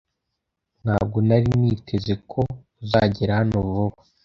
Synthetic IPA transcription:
n̥haːb̚ɡo̞naɾiniːtʰezekʰo̞ | zaɟiɾahanovuβa

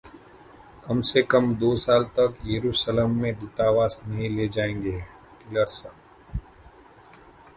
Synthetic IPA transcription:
kɐmsekɐmd̪oːsaːlt̪ɐkjeɾuːʃəlemːẽd̪ut̪aːʋaːsnɐɦĩleːd͡ʒaːẽːŋɡeː | kɪləɾsə

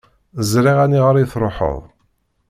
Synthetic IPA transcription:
zɾiʁæniʁəɾˤiθɾˤoħə̰ðˤ

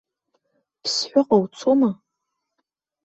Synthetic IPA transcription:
pʰsħʷʊqʼawt͡sʰoma

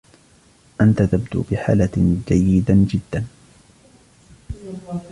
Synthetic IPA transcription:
ʔant̪at̪abd̪ṵːbɪħa̰ːlad͡ʒajːɪd̪ad͡ʒɪd̪ːan

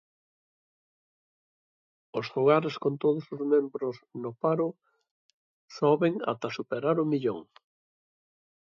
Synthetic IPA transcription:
osfuɣaɾeskõnt̪oð̞osozmẽmbɾosnopaɾʊ | soβeŋa̰t̪ɐsupeɾaɾʊmiʎoŋ

